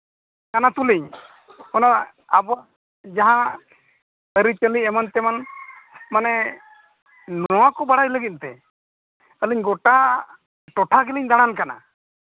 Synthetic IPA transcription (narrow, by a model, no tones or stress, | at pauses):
kanat̪uliɲ | ɔna | abɔ | d͡ʒaɦã | əɾit͡ʃəliɛmant̪ɛman | manɛ | nɔwakɔbaɽajləɡit̪̚t̪ɛ | əliɲɡɔʈa | ʈɔʈʰaɡiliɲd̪aɽ̃ankana̰